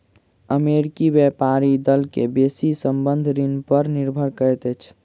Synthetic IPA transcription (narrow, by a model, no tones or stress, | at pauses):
əmeɾikibɛpaɾid̪əlkebesisəmbənd̪ʱɾinpəɾniɾbʱəɾkəɾɛt̪ət͡ʃʰ